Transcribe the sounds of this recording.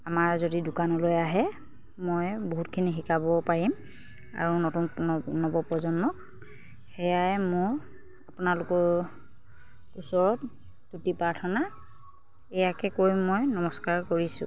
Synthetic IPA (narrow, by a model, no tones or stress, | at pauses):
amaɹzodidʊkanɔlojaɦɛ | mojboɦutkʰinixikabɔpaɹim | a̰ɹunotunpnɔbɔpɔzɔnmɔk̚ | xɛjajmʊɹ | apʊnalʊkɔɹ | usɔɹɔt | tutipaɹtʰɔna | ɛjakɛkoɹjmːojnɔmɔskaɹkoɹisʊ̰̃